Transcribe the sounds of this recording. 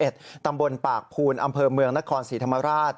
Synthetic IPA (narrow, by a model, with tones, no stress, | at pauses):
ʔe˨˩t̪̚t̪ːa˧mbo˧npaː˨˩k̚pʰuː˧nʔa˧mpʰɤː˧mɯ˧əŋna˦˥kʰɔː˧nsiː˩˦t̪ʰmːa˧ɾaː˥˩t̪̚